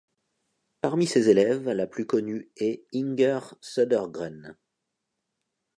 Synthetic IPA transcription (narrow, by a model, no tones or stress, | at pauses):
paʁmisezelɛvlaplykɔnyɛiŋɡœʁsɔd̪ɛʁɡʁɛn